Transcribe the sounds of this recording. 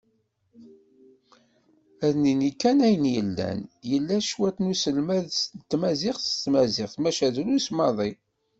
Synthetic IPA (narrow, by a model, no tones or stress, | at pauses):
æðninikːænæjənjəlːæ̰njəlːæʃwæt̪nusəlmæðst̪ːmæzɪχst̪mæzɪχθmæʃæðɾusmɑðˤi